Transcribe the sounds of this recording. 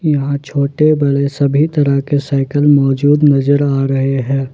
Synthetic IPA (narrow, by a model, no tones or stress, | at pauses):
jɐɦãt͡ʃʰoːʈebɐɽesɐbʱit̪ɐɾəkesaːɪkəlmɔːd͡ʒuːd̪nɐzəɾaːɾɐɦeɦɛ̃ː